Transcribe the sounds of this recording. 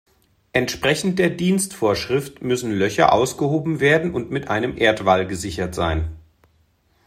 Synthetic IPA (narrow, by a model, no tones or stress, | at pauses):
ʔɛntʃpʁ̥ɛçn̩t̚d̥eːɐdiːnstfoːɐʃʁ̥ɪftmʏsn̩lœçɐ̰ʔa̰ʊsɡ̥əhoːbm̩veːɐdn̩ʊntmɪtʔaɪnəmʔeːɐtv̥alɡəzɪçɐtz̥aɪn